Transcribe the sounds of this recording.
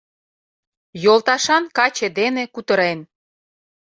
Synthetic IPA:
jolt̪ɑʃɑnkɑt͡ɕed̪enekut̪əɾen

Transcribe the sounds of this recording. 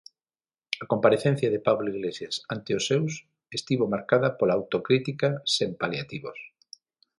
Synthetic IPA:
ɐkompaɾeθen̟θjɐðepaβloiɣlesjasant̪eosːews | est̪iβomaɾkaðɐpolaːwt̪okɾit̪ikasempaljat̪iβo̰s

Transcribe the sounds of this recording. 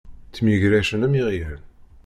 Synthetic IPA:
θmjiʝɾæʃənæmiʁjæn

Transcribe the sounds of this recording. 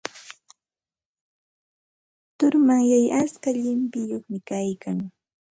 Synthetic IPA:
t̪ʊɾmaŋjajaskaʎɪmpɪjoχmɪkajkaŋ

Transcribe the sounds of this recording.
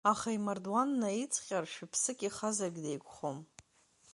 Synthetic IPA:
aχaimardwanːait͡sʰʼχʲʼarʃᶣɪpʰsɨkʲʼiχazarɡʲdejkʷʰʼχom

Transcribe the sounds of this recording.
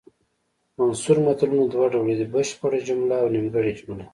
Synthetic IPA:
mansuɾmat̪alunod̪waɖawɽed̪ibəʃpəɽad͡ʒʊmlaːwnimɡaɽid͡ʒməle

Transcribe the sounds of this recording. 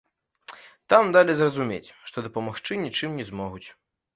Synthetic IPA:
t̪amd̪alʲizrɐzumʲḛt͡sʲʂt̪ɔd̪ɐpɐmaxt͡ʂɨnʲit͡ʂɨmnʲɛzmɔɣut͡sʲ

